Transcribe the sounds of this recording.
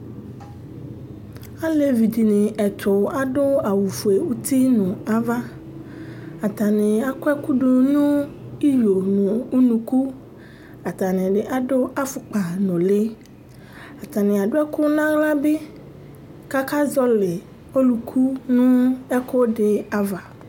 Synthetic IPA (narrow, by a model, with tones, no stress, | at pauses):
a˦le˨vi˨di˨nɪ̃˨ɛ˨t̪ʰʊ˨a˦ɖʊ˦a˨wu˨fu˨e˨wu˦t̪i˦nʊ̃˨a˦va˦ | a˨t̪a˨nɪ̃˨a˦kɛ˦ku˦ɖʊ˨nũ˦i˦jo˨nʊ̃˨u˦nũ˨ku˦ | a˨t̪a˨nɪ̃˨ɖɪ˨ʔa˦ɖʊ˦a˦fʊ˨k͡pa˨nɔ̃˨le˦ | a˨t̪a˨nɪ̃˨a˨ɖʊ˦ɛ˦kʊ˦nã˦la˦bɪ˦ | ka˦ka˦zɔ˦lɪ˨ | o˦lu˨kʰu˦nʊ̃˦ɛ˦ko˦ɖɪ˨a˦va˨